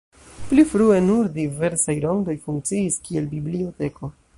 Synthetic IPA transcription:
plifɾue̞nuɾdive̞ɾsajɾoŋdo̞jfuŋk̚t͡siːskie̞lbiblio̞te̞ko̞

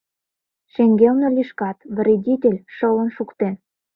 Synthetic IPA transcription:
ʃeŋɡelnelʲiʃkɑt̪v̆rʲedʲitʲelʲʃɤ̆lə̆nʃukt̪en

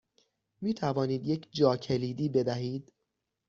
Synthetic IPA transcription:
miːt̪ʰævɒːniːd̪je̞cʰd͡ʒɒːcʰe̞liːd̪iːbe̞d̪æɦiːd̪̥

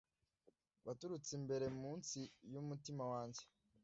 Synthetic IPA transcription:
βatuɾut͡simbe̞ɾe̞muːnsijumutimawaːɲd͡ʒe

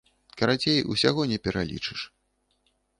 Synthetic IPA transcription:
kɐɾat͡sʲejṵsʲaɣɔnʲɛpʲɛɾalʲḭt͡ʂɨʂ

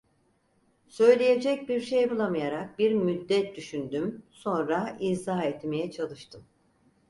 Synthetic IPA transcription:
sø̞jlʲeje̞d͡ʒɛc̚biɾʃejbulˠamɯjaɾak̚biɾmyd̪ːɛt̪̚d̪yʃynd̪ymso̞nɾaizaːɛt̪me̞jɛt͡ʃʰalˠɯʃt̪ʰɯm

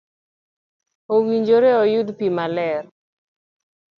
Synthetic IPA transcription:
owiɲd͡ʒoɾeɔjud̪pimalɛr

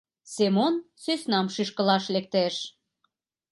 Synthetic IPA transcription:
semonsøsnɑmʃyʃkəlɑʃlek̚t̪eʃ

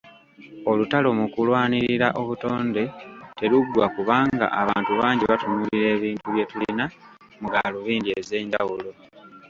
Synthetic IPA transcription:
o̞lutalo̞mukulwaːniɾiɾaʔo̞βuto̞ːnde̞te̞luɡwakuβaːŋɡa̰ʔaβaːntuβaːɲɟiβatunuːliɾe̞ːβiːntuβje̞tulina | muɡaluβiːndieze̞ːɲɟawulo̞

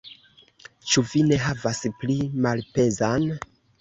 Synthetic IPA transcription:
t͡ʃuvine̞ɦavasplimalpe̞zan

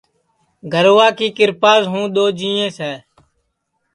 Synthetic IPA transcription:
ɡʱəɾʋaːkiːkɪɾpaːzɦũːɗ̪oːd͡ʒĩːẽːsɛː

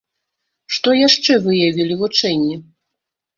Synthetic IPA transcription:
ʂt̪ɔjaʂt͡ʂɛvɨjavʲilʲivut͡ʂɛnʲːi

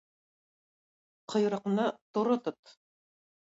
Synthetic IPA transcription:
qʰɤ̆jɾɑ̆qnɑt̪oɾot̪ot̪

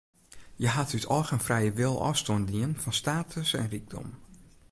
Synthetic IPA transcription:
jəɦatytʰɔːxənfrɛjəʋɪlˠɔ̰stondiənfɔnstaːtʰəsɛ̰nriɡ̚dɔ̰m

